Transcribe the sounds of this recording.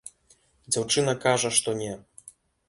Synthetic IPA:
d͡zʲawt͡ʂɨnɐkaʐɐʂt̪ɔnʲɛ

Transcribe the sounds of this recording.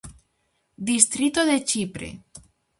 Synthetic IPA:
d̪ist̪ɾit̪oðet͡ʃipɾḛ

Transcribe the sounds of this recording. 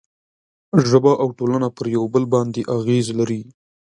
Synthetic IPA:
ʒəbaʔawʈolanapəɾjawbəlbɑnd̪eʔaɣezlaɾi

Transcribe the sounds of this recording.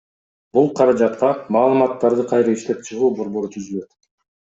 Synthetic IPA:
bulˠqʰɑɾɑd͡ʒɑt̪qɑmɑːlˠɯmɑt̪ːɑɾd̪ɯqʰɑjɾɑiʃt̪e̞p̚t͡ʃʰɯʁuːbo̞ɾbo̞ɾut̪ʰyzylø̞t̪

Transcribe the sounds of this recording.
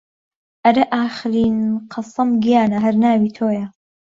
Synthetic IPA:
ʔɐɾɐʔaːxɨɾiːnqʰɑsɐmɡijaːnɐɦɐɾnaːwiːt̪ʰoːjɐ

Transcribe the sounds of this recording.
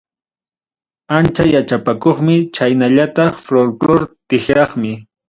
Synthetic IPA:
ant͡ʃajat͡ʃapakoχmɪt͡ʃajnaʎat̪ɑχfloɾkloɾt̪ɪxɾɑχmɪ

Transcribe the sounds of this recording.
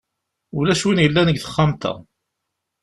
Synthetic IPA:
ʊlæʃwinjəlːænəɡθə̥χːamt̪æ̰

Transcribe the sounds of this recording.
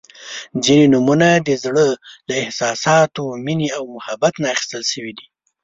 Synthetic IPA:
zinenumunad̪əzɽəlaɪhsɑsɑt̪omineawmʊhabat̪naːxi̥st̪əlʃəwid̪i

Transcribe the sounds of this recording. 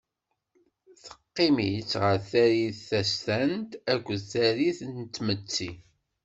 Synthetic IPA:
θə̥qːɪmit͡sːʁəɾθæɾiθθæst̪ænt̪ækʷːəðθæɾiθnt̪ːmət͡sːi

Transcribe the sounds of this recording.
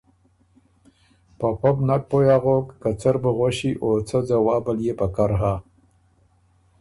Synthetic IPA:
papobnak̚pojaɣokːat͡saɾbəɣoɕiʔot͡səd͡zawabaljepakaɾɦa

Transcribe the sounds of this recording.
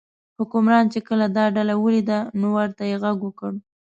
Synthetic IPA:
hʊkʊmɾɑnt͡ʃekəlad̪ɑɖalawəlid̪anowaɾt̪ajeɣaɡwəkəɽ

